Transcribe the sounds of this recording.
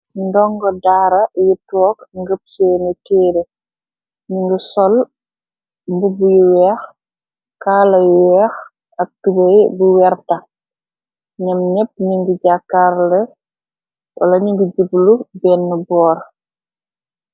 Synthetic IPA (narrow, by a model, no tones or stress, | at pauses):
ndɔŋɡɔdaːɾɐjitɔːkŋɡəp̚sɛːnətɛːɾe | ɲiŋɡusɔl | mbubujuwɛːx | kaːlɐjɛːx | ɐk̚tubɐjbuwɛrtɐ | ɲɐmɲɛp̚ːɲiŋɡuɟakːaɾlɛ | wɐlɐɲiŋɡuɟublubɛːnːəbɔːɾ